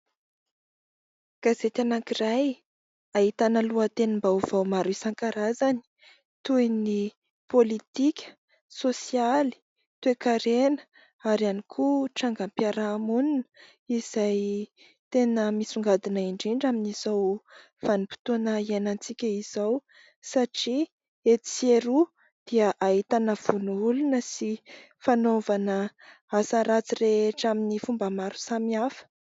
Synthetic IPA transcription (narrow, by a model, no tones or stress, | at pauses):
ɡ̥azet̪anakiraj | aɦit̪anəluət̪enimbauv̥awmaɾuisaŋkaɾazani̥ | t̪ujni | polit̪ikʲə̥ | sosiali̥ | t̪uekaɾenə̥ | aɾanikʰuʈ͡ʂaŋɡampiaɾaːmuninə̥ | iz̥aj | t̪enəmisuŋɡad̪inəiɳɖ͡ʐiɳɖ͡ʐaminizaw | v̥anipi̥t̪unəenant͡sikʲəiz̥aw | saʈ͡ʂi | et̪t͡seɾu | d̪̥iəʔaɦit̪anəv̥unuulunəsi | fanovanə | asəɾat͡sireeʈ͡ʂaminifumbəmaɾu̥samiafə̥